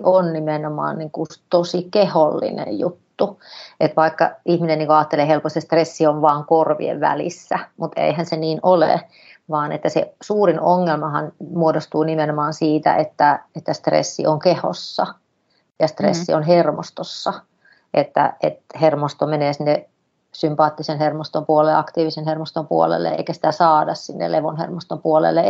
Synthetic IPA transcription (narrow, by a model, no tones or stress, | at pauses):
ʔonnimenomɑ̰ːnniŋkust̪osikeholːḭnḛjjut̪ːuet̪ʋɑikːɑ̰ihmineniŋkoɑːt̪ːeleːhelpost̪est̪resːioʋʋɑːŋkorʋḭḛʋʋæ̰lḭsːæmut̪ḛihænseniːnolḛ | ʋɑːnḛt̪ːæsḛsuːrinoŋːelmɑhɑ̰nmuodost̪uːnimenomɑːnsiːt̪æ̰ʔet̪ːæet̪ːæst̪rḛsːḭʔoŋkeho̰sːɑ | jɑst̪rḛsːionɦermost̪osːɑ | ʔet̪ːæ̰ʔet̪hermost̪omeneːsinːe | sympɑːt̪ːisenhermost̪ompuolelːeɑkt̪iːʋisenhermost̪ompuo̰lḛlːḛḛikæsi̥t̪æsɑːdɑssinːḛleʋonhḛrmost̪ompuolḛlːe